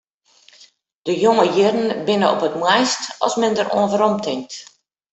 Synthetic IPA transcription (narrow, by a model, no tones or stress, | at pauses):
d̥əjoŋəjɪrn̩bɪnəɔ̰pətmwɛjstɔ̰smɛndərʔo̰ənvəɾɔmtʰɪŋ̚t